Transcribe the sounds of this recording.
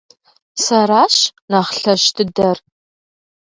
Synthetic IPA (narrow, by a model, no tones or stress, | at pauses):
sɐraːɕnaːχɬɐʃtʰɨdɐr